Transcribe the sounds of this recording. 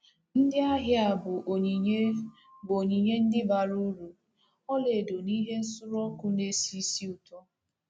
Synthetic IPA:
n̩˦dɪ˦a˦ɦɪ˦a˨bʊ˨ʔɲ˨˦ | bo˨ɲi˨ɲe˦n̩˦dɪ˦ba˨ɾu˦ɾu˨ | ɔ˦le˨do˨ni˦ɦe˦n̩˦sʊ˦ɾɔ˦kʊ˦ne˦si˦si˦u˨tɔ˦

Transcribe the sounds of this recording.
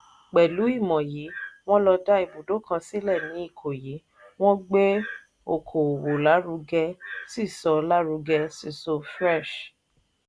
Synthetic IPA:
k͡pɛ˨lu˨˦i˦˨mɔ̃˨ji˨˦w̃ɔ̃˦lɔ˧da˦i˨bu˨do˨˦kʰã˧si˦lɛ˦˨nĩ˨˦i˦˨kʰo˨ji˨˦ | w̃ɔ̃˦ɡ͡be˦ | o˨kʰo˨wo˨la˨˦ɾu˧ɡɛ˧si˦˨sɔ˧la˦ɾu˧ɡɛ˧si˦˧˨so˧fɾɛ˦˨ʃ

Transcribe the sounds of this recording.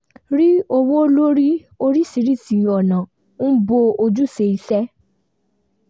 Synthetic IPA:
ɾi˦o˧wo˦lo˦ɾi˦ | o˧ɾi˦˨si˨˦ɾi˦˨ti˨jɔ˨nã˨ | n̩˦bo˧o˧d͡ʒu˦˨se˧i˧sɛ˦

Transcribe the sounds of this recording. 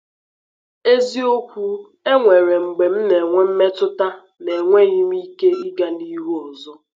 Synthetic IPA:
e˦zi˦o˦kʷu˦ | e˦ŋʷe˨ɾe˨ŋ͡m̩˨ɡ͡be˨m̩˦ne˨ŋʷe˦m̩˦me˦tʊ˦ta˦ | ne˨ŋʷe˦ɣi˦mi˦ke˦i˦ɡa˦ni˦ɦu˦ɔ˨zʊ˦

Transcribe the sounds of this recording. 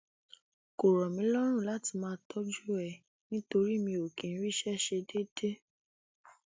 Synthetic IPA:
ko˨ɾɔ˨mĩ˨˦lɔ˦ɾ̃ũ˦˨la˨˦ti˧mãː˧tʰɔ˦d͡ʒu˦ɛ˦˨ | nĩ˦to˧ɾi˦˨mĩ˧o˨kĩ˨n̩˦ɾi˦˨ʃɛ˦ʃe˧de˦de˦

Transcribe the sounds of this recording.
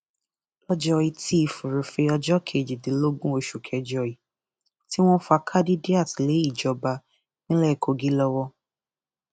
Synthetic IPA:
lɔ˦d͡ʒɔ˦i˧tʰi˦i˦˧˨fu˨ɾu˨fe˧ɔ˧d͡ʒɔ˦kʰe˨d͡ʒi˨de˨˦lo˦ɡũ˦o˧ʃu˨kʰɛ˧d͡ʒɔ˧˨i˨ | ti˦w̃ɔ̃˦fa˧kʰa˦di˦di˦a˦˨ti˨le˨˦i˦˨d͡ʒɔ˨˧ba˧ | nĩ˦lɛ˦˨kʰo˧ɡi˦lɔ˧wɔ˧

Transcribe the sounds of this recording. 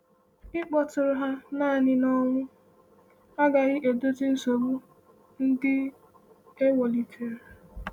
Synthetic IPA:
ɪ˦k͡pɔ˨tʊ˨ɾʊ˨ɦa˦naː˦˨ɲɪ˨nɔ˦ŋʷʊ˦ | a˦ɡa˨ɣɪ˦ʔe˨do˦tɪ˦n̩˦so˨bu˦ | n̩˦dɪ˦ | e˦wɔ˨li˨fe˨ɾ

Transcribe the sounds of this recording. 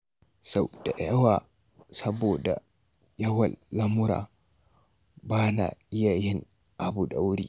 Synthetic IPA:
sa˨wd̥a˨ʔɛ˦wa˨ | sɐ˦boda̰˨ | jɐ˦wɐ˨lːɐ˦mu˦ɾa̰˨ | baː˦na̰˨i˦ja˨jɛ˦n | ʔa˨bu˨ɗa˨wɾḭ˨

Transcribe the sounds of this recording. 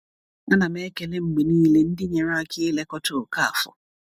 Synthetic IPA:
a˦na˨m˦e˦ke˨le˦m̩˨ɡ͡be˨niː˦le˦n̩˦dɪ˦ɲe˨ɾa˦a˦˨kʰɪ˦le˦kɔ˦tʊ˦˨ka˦a˨fʊ̰˨

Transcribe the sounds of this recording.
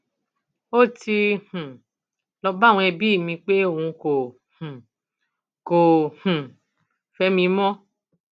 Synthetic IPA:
o˦ti˧h̩˨ | lɔ˧ba˦˨w̃ɔ̃˧ɛ˧bi˦i˦˨mĩ˧k͡pe˦o˦˨wũ˧ko˨ | h̩˨ | ko˨hũ˨ | fɛ˦mĩ˧˦mɔ̃˦

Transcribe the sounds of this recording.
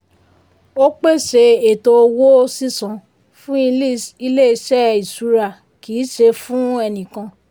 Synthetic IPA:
o˦k͡pe˦˨ʃe˧e˨to˧wo˦si˦˨sã˨ | fũ˦i˧li˦˨i˧le˦i˧˦ʃɛ˦i˨su˨˦ɾa˦˨ | ki˨˦ʃe˧fũ˦ɛ˧nĩ˨kã˧

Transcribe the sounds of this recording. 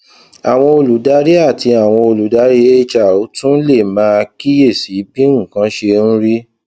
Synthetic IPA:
a˨w̃ɔ̃˧o˧lu˨˦da˦ɾi˦a˦˨ti˧a˨w̃ɔ̃˧o˧lu˨˦da˨˦ɾi˦e˦t͡ʃa˨o˨˦tũ˦le˦˨mãː˦˧ki˦je˦˨si˨˦bĩ˦ũ˦˨kã˦ʃe˧ñ̩˦ɾi˦

